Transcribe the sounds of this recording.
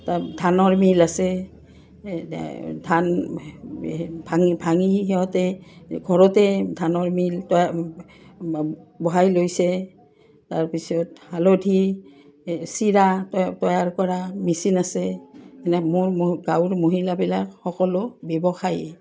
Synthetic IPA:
tadʱanɔɹmilasɛ | dʱan | bʱaŋibʱaŋiɦɛɔtɛɡʱɔɹɔtɛdʱanɔɹmiltɔja | bɔɦajlojsɛ | taɹpisɔthalodʱi | siɹattɔjaɹkɔɹamisinasɛnɛmʊɹɡawɹmoɦilabilakxɔkɔlʊbɛbɔxajɛ

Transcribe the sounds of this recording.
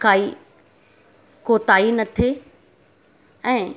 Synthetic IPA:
kaːi | koːt̪aːinɐt̪ʰe | ɛ̃ː

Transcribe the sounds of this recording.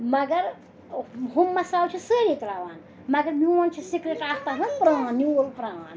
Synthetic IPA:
mɐɡɐɾ | ɦumːɐsaːlt͡ʃʰisəɾik̪ɾaːʋan | mɐɡɐɾmiwɐnt͡ʃʰisikɾeʈaːkt̪anɐpɾãːnːiolpɾãːn

